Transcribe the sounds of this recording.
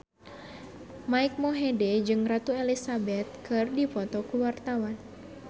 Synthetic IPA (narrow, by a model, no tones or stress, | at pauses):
maik̚mɔɦedɛd͡ʒɨŋrat̪uelisabɛt̪̚kɨrdipɔt̪ɔkuwart̪awan